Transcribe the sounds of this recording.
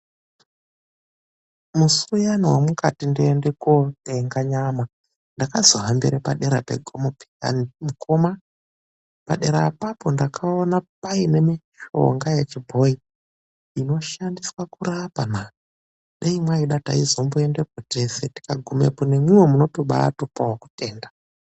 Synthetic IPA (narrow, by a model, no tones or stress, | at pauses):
musujaniwamukatindiendekoteŋɡaɲama | ndakazoɦambiɾepaɗeɾa̰peɡʱomopi̥a̰nimukoma | pa̰ɗe̞ɾapapo̞ndakʰaonap̚aine̞miʃo̞̰ŋɡajet͡ʃibʱo̞i | ino̞ʃandiswakurapana | ɗeimwaiɗata̰izo̞mbue̞nde̞koteseti̥kaɡʱumḛpunemwiwemuno̞toɓa̰topawoku̥te̞ːnda